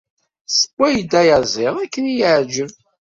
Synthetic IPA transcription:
sə̥kʷːæjd̪æjəzˤɪʁækːənjiʕd͡ʒəm

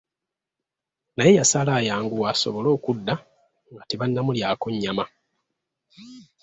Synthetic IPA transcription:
naje̞jasalaːjaːŋɡuwaso̞̰βo̞lo̞ːkudːa | ŋɡateβanːamuljaːko̞ɲːama

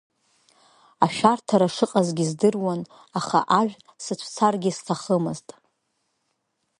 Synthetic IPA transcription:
aʃᶣartʰaɾaʂɨqʼazɡʲizdɨrwan | aχa̰ʔaʒᶣ | sɨt͡ʃʷʰt͡sʰarɡʲɪstʰaχəmɨztʼ

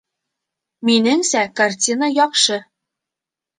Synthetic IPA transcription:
minɘŋsækartʲinəjɒqʃɤ

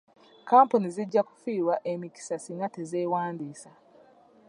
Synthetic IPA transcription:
kaːmpuniziɟːaku̥fiːwaʔemiki̥sasiŋatezeːwaːndiːsa

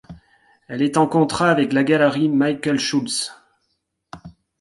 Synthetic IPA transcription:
ɛlɛt̪ɑ̃kɔ̃t̪χaːvɛklaɡalʁimajkʲəlʃuls

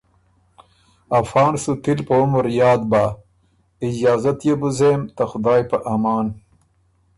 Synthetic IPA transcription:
ɐfɑːnsut̪ilpɐomoɾjɑːd̪̚ba | id͡ʒaːzɐt̪jebuzeːmt̪ɐxʊd̪aːjpɐʔɐmɑːn

